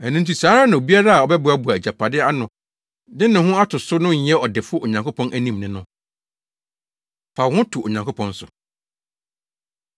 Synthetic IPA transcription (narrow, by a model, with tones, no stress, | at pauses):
æ˨nʊ̃˦n̩˦t̬ʰi˨saː˦ɾa˦nã˨o˨bi˦a˦ɾa˦a˨ɔ˨bɛ˦bʊ˨a˦bʊ˨a˨æ˨d͡ʑa˨pʰa˨dɪ˦a˦nʊ̃˨ | dɪ̃˦nɪ̃˨hʊ̃˦a˦tʰʊ˨sʊ˦nʊ̃˦˨˦ɛ˦ɔ˨dɪ˨fʊ˦o˨ɲã˨ŋko˦pʰɔ̃˦nʔæ˦nĩ˦˨mnɪ̃˨nʊ̃˦ | fa˨hʊ̃˦tʰu˨o˨ɲã˨ŋkʰo˦pʰɔ̃˦n˦sʊ˨